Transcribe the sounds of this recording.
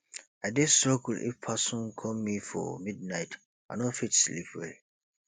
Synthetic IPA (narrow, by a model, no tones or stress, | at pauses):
adesəkl̩ʔḭfpʰasɔ̃nkʰɔmːifɔ̰mid̚naɪt | a̰nɔfitslḭpʰwḛ